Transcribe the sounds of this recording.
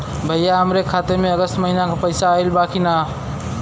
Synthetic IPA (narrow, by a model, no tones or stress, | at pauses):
bʱəɦjaɦəmɾekʰat̪eɾmeəɡəst̪məɦinakʰəpəjsaːjlbakʰina